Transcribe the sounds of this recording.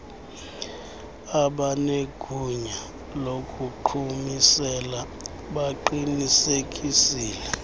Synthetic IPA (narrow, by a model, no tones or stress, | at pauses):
aɓaneɡ̥ʱuɲa | lokʼuǃʰumisɛla | ɓaǃinisekʼisiːlɛ